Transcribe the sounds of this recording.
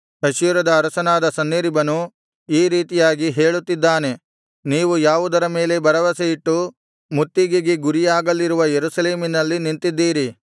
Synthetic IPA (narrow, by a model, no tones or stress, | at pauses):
ɐʃiːɾɐd̪ɐːɾɐsɐnaːd̪ɐsɐnːiɾibɐnu | iːɾiːt̪ijaːɡiɦe̞ːɭut̪ːid̪ːaːne̞ | niːʋujaːʋud̪ɐɾɐme̞ːle̞bɐɾɐʋɐseiʈːu | mut̪ːiɡeɡeɡuɾijaːɡɐlːiɾuʋɐjeɾusɐle̞ːminɐlːiniɳt̪id̪ːiːɾi